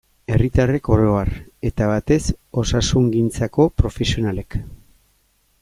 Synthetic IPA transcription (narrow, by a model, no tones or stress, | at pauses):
e̞rit̪are̞ko̞ɾo̞are̞t̪aβ̞at̪e̞so̞sasuŋɡint͡sako̞pɾo̞fe̞sio̞nale̞k